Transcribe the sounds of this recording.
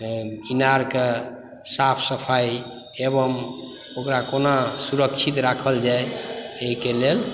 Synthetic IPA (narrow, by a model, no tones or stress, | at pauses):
inaɾke | sapʰsəpʰaj | eβəm | okɾakonasuɾəkt͡ʃʰit̪ɾakʰəld͡ʒaeeɦikelel